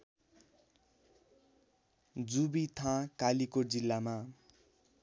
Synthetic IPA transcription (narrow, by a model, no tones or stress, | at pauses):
d͡zubit̪ʰãkalikod͡zilːama